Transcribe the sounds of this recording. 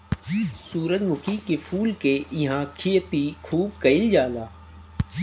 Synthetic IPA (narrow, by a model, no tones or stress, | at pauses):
suːɾət̪mʊkʰikefʰuːlkeɪɦãkʰijət̪ikʰuːb̚kɐɪld͡ʒaːlaː